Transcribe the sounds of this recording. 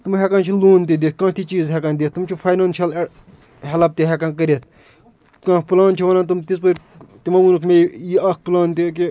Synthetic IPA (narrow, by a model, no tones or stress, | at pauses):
t̪umɦɛkant͡ʃʰiloːnt̪̬id̪eːt̪̚kãːt̪ʰit͡ʃiːzɦɛkand̪eːt̪̚t̪umt͡ʃʰifʰaːjnaːnʃiɐl | hɐlɐp̚t̪iɦɛkankəɾʲet̪̚ʰ | kãːkplaːnt͡ʃʰiʋɐnaːnt̪umt̪is̬pɐɾʲ | t̪imɐunukʰmejiɐk̚ʰplaːnt̪ik̬i